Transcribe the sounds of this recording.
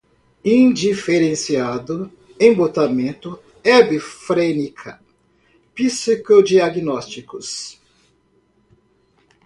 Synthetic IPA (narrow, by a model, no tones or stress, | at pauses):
ĩd͡ʒifeɾẽsiad̪ʊ | ẽbot̪amẽnt̪ʊ | ɛbifɾenikʰɐ | pisikod͡ʒiaɡinɔst͡ʃikʊs